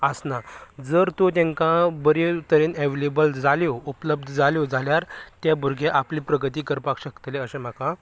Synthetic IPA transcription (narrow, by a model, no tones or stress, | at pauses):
əsnad͡zəɾt̪ot̪̬ẽŋkãbəɾet̪əɾeːnɛʋelebəld͡zʱaljoupləb̚d̪ʱəd͡zʱaljod͡zʱaljaɾt̪jabʱuɾɡʱeʔapliːpɾəɡət̪iːkəɾpakɕəkt̪leəɕẽm̤akã